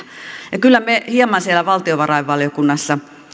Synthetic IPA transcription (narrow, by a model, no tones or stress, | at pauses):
jɑkylːæmehiɑmɑnsielæʋɑlt̪ioʋɑrɑiʋʋɑljokunːɑsːɑ